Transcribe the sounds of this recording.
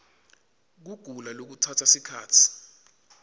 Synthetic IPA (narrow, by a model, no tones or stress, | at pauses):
k̬uɡ̥ʱulalok̬utʰatʰasikʰaːtʰi̥